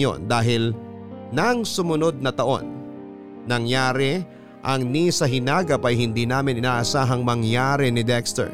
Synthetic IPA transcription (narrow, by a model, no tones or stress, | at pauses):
o̞̰nd̪aːɦɪlnɐŋsʊmʊno̞d̪̚nɐt̪ɐʔo̞̰nː | ɐŋjaːɾɛ | ʔɐŋnisɐɦɪnaːɡɐpɐjɦɪnd̪iːnaːmɪnʔɪnaːʔɐsaːɦɐŋmɐŋjaːɾɛnɪd̪ɛkst̪ɛ̰